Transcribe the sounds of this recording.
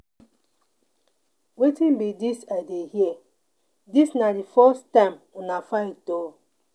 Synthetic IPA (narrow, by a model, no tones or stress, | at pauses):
wetĩnbidisadehie | disnadifɔstãmunafato